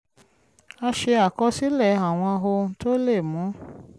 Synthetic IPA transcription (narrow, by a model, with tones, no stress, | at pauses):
a˧ʃe˧a˨kɔ˧˦si˦lɛ˦˨a˨w̃ɔ̃˧ɦo˧˦to˦le˦˨mũ˨˦